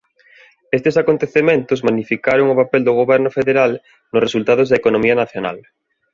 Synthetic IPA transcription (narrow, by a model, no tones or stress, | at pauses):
est̪esakont̪eθemẽnt̪ʊzmanifikaɾoŋʊpapɛld̪ʊɣ̞oβɛɾnʊfeðeɾal | nʊsresult̪að̞ʊzðɐekonõmiɐnaθjona̰l